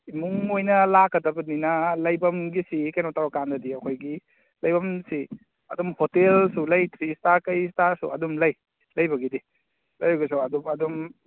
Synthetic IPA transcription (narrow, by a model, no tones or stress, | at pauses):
imuŋojnɐlakɐdɐbɐninɐlɐjbɐmɡisikɐjnataɾɔkandɐdiɐkʰojɡi | lɐjbɐmsi | ɐ̰dumhotelsulɐjt̪ʰɾistaɾkɐjstaɾsṵɐdumlɐj | lɐjbɐɡidi | lɐjbɐɡis̬uɐdumɐdum